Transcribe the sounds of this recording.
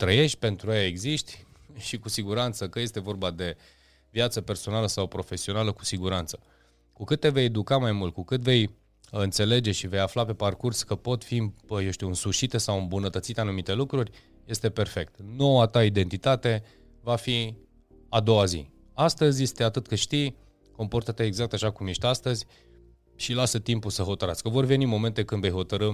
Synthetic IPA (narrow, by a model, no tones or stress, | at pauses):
t̪ɾəje̞ʃt̪̚ʲpe̞nt̪ɾuajae̞ɡziʃt̪ʲʃikusiɡuɾant̪səkəje̞st̪e̞vo̞rbad̪e̞ | vjat̪səpe̞rso̞naləsawpɾo̞fe̞sio̞naləku̥siɡuɾant̪sə̥ | kukɨt̪ːe̞ve̞jed̪ukamajmult̪̚kukɨt̪ve̞j | ɨnt̪se̞le̞d͡ʒe̞ʃive̞jaflape̞parkurskəpo̞t̪fijewʃt̪iuɨnsuʃit̪esawɨmbunət̪ət̪sit̪anumit̪e̞lukɾurʲ | je̞st̪e̞pe̞rfe̞k̚t̪no̞wat̪aid̪e̞nt̪it̪at̪e̞ | vafi | ad̪o̞wazḭ | ast̪əzʲjest̪eat̪ɨt̪kɨʃt̪ij | ko̞mpo̞rt̪ət̪eːɡzak̚t̪aʃakumje̞ʃt̪ʲast̪əzʲ | ʃilasət̪impusəɦo̞t̪əɾatskəvo̞rve̞nimo̞me̞nt̪e̞kɨnd̪ve̞jɦo̞t̪əɾɨ